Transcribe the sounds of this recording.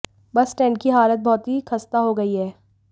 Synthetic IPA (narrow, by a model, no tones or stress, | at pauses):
bɐsʈɛ̃ːɳɖkiɦaːlət̪̚bɔːt̪ɦixɐst̪aɦoɡɐiɦɛː